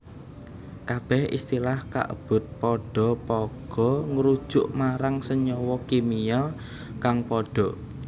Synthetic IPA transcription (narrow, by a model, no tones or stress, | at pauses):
kab̥ɛhḭst̪ilahka̰ʔə̰b̥ʊ̤t̪̚pɔɖ̥ɔ̤pɔɡ̥ɔ̤ŋəɾud̥ʒ̥ʊʔmaɾaŋsəɲɔwɔkimijɔ | kaŋpɔɖ̥ɔ̤